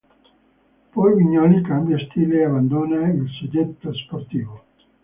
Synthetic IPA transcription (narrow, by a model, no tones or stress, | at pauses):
pɔjviɲːɔlikambjast̪ileavand̪oːnailsed͡ʒ̪et̪ːəsport̪iːvo